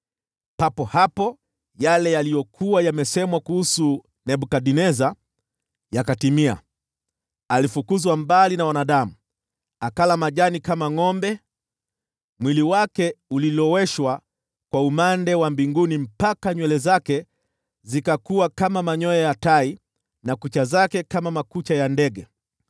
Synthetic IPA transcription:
papɔhapɔ | jalɛjalijɔkʰuwajamɛsɛmwakuhusu | nɛɓukaɗinɛza | jakatimia̰ | alifukuzwambalinawanaɗamu | akalamaʄanikamaŋɔmbɛ | mwiliwakɛulilɔwɛʃwa | kwaumandɛwambiŋɡunim̩pakaɲwɛlɛzakɛ | zikakuwakamamaɲɔjɔjatai | nakut͡ʃazakɛkamamakut͡ʃajandɛɡɛ

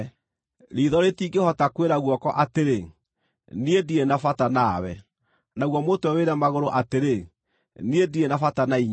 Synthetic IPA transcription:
ɾiðɔɾetiɡehɔtakweɾaɣwɔkɔʔateɾe | niedienafatanaːwɛ̰ | naɣwɔmotoɛweɾamaɣoɾoʔateɾe | niedienafatanaiɲ

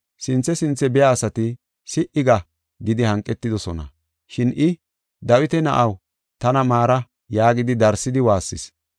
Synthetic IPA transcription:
sɪnt͡sːɛsɪnt͡sːɛbɛjaːsɐt̪ɪ | sɪʔɪɡɐ | ɡɪd̪ɪhɐŋkʼːɛt̪ːɪd̪ɔsɔnɐ̰ | ʃɪnʔɪ | d̪ɐwɪt̪ɛnɐ̰ʔɐw | t̪ɐnɐmaːɾɐ | jaːɡɪd̪ɪd̪ɐɾsɪd̪ɪwaːsːɪs

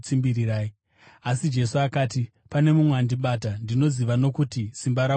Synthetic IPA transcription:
t͡simbiɾiɾaːi | asid͡ʒe̞suakaːti | pane̞mumweandiɓaːtandino̞ziʋano̞kutisimbaɾa

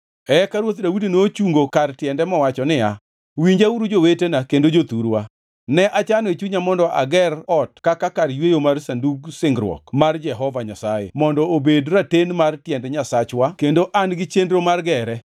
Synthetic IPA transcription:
ɛkaɾwot̪dawudinot͡ʃuŋɡokartjɛndɛmɔwat͡ʃɔnɪa | wiɲd͡ʒauɾud͡ʒowetenakendod͡ʒot̪uɾwa | nɛʔat͡ʃanɔet͡ʃuɲamɔndɔʔa̰ɡɛrɔtkakakarjwejomarsanduɡsɪŋɡɾwɔ̰kmard͡ʒɛɦɔvaɲasajḛmɔndɔobedɾatenmartjɛndɛɲasat͡ʃwakendoʔanɡɪt͡ʃendɾomarɡɛɾɛ

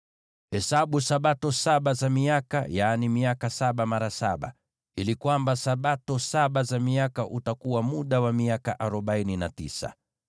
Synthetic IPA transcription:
hɛsaɓusaɓatɔsaɓazamiaka̰jaːnimiakasaɓamaɾasaɓa̰ | ilikwambasaɓatɔsaɓazamiakaʔutakuwamuɗawamiakaʔaɾɔɓaininatḭsa̰

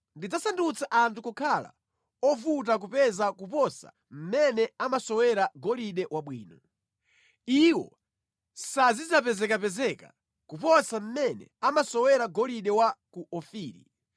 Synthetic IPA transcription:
ndid͡zasandut͡saʔantʰukɔkʰala̰ | ɔvut̬ak̬upɛzakupɔsa̰ | m̩mɛnɛamasɔwɛɾaɡɔliɗɛwaɓwiːnɔ | iwɔ̰ | sazid͡zap̬ɛzɛkapɛzɛka | kupɔsam̩mɛnɛ̰amasɔwɛɾaɡɔliɗɛwakuʔɔfiːɾḭ

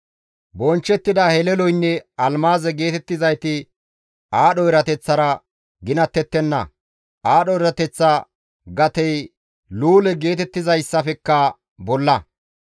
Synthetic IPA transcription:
bɔnt͡ʃːɛt̪ːɪd̪ahɛlɛlɔjnːɛɐlmaːzɛɡe̞ːt̪ɛt̪ːɪzɐjt̪ɪ | ʔaːɗɔɪɾɐt̪ɛt͡sːɐɾɐ | ɡɪnɐt̪ːɛt̪ːɛnːɐ̰ | ʔaːɗɔɪɾɐt̪ɛt͡sːɐ | ɡɐt̪ɛj | luːlɛɡe̞ːt̪ɛt̪ːɪzɐjsːɐfɛkːɐ | bɔlːɐ

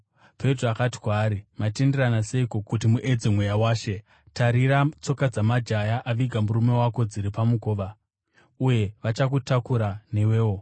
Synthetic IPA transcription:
pʰe̞troakati̥kwaːɾimatendiranase̞iko̞kut̬imuʔe̞d͡zemwejawaːʃe̞ | taɾiɾat͡so̞kad͡zamad͡ʒajaʔaʋiɡʱamuɾume̞wako̞d͡ziɾipamuko̞ːʋa | uje̞ʋat͡ʃakutakuɾane̞weːwo̞

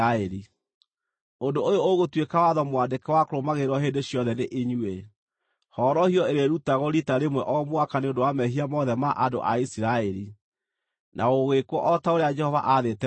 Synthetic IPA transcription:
aɛɾi | ondoojooɣotwekawaðɔmwadekɛwakoɾomaɣeɾwɔɦeːndeɕjɔðɛneʔeɲue | hɔːɾɔhiɔeɾeɾutaɣɔɾitaɾemwɛʔɔmwakaneondowamɛɦiamɔðɛmaʔado̰ʔa̰isiɾaɛɾi | nʔa̰oɣekwɔʔɔtaoɾead͡ʒɛhɔva̰ʔaðetɛ

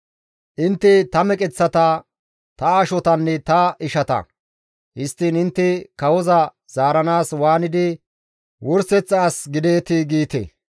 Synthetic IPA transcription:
ʔɪnt̪ːɪt̪ɐmɛkʼɛt͡sːɐt̪ɐ | t̪ɐːʃɔt̪ɐnːɛt̪ɐɪʃɐt̪ɐ̰ | hɪst̪ːinɪnt̪ːɪkɐwɔzɐ | z̥aːɾɐnaːswaːnɪd̪ɪ | wɔɾsɛt͡sːaːsɡɪd̪eːt̪ɪɡiːt̪ḛ

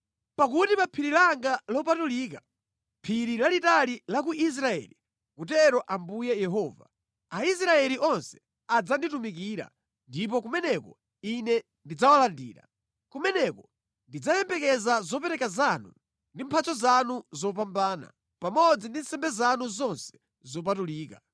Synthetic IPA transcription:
pakutipapʰiɾilaŋɡalɔp̬atuliːka | pʰiɾilalitalilak̬uʔis̬ɾaɛ̰li | kutɛɾɔʔambujɛjɛɦɔːva̰ | ais̬ɾaɛliʔɔnsɛ̥ | ad͡zanditumikiːɾa̰ | ndip̬ɔkumɛnɛkɔ̰ | inɛ | ndid͡zawalandiːɾa̰ | kumɛnɛkɔ | ndid͡zajɛmbɛkɛzazɔpɛɾɛkazanu | ndimpʰat͡sɔzanuzɔp̬ambaːna̰ | pamɔd͡zindin̩sɛmbɛzanuzɔnsɛ̥ | zɔp̬atuliːka

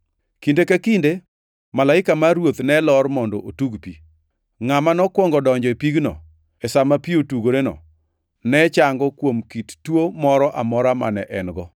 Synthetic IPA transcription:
kindekakinde | malaɪkamaɾwot̪nɛlɔrmɔndɔʔotuɡpi | ŋamanɔkwɔŋɡɔdɔɲd͡ʒɔepiɡnɔ̰ | ɛsamapiotuɡoɾenɔ̰ | nɛt͡ʃaŋɡɔkwomkittwomɔɾɔʔamɔɾama̰nɛʔɛnɡɔ

